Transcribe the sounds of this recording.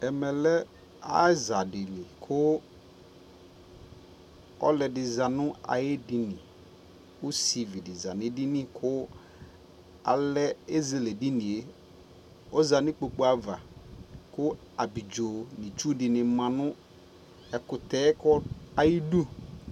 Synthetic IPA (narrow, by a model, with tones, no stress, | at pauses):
ɛ˨mɛ˨lɛ˦ | a˦za˨dɪ˨nɪ̃˨kʰʊ˦ | ɔ̰˦lɛ˨dɪ˨za˨nʊ̃˦a̰˨je˦dɪ˨nɪ̃˨ | ʊ˦si˨vi˨dɪ˨za˨nɪ̃˨˦dɪ˦nɪ̃˨kʰʊ˦ | a̰˨lɛ˦e˦ze˨le˨dɪ˦nɪ̃˨e˦ | ɔ˦za˨nɪ̃˦k͡po˨k͡po˦a˨va˨kʊ˦ | a˨bi˨d͡ʒo˨nĩ˨t͡ʃu˦dɪ˨nɪ̃˨mã˨nʊ̃˦ | ɛ˨kʊ˨t̪ɛ˦kɔ˦a˨ji˦du˦